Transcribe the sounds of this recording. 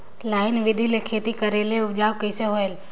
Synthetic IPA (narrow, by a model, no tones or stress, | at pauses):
laːɪnʋɪd̪ʱilekʰeːt̪ikəɾeleʊd͡ʒaːʋkəɪseɦoel